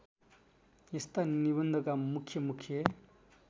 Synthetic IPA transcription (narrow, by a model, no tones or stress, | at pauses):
jest̪aniβʌnd̪ʱʌkamukʰjʌmukʰːjʌ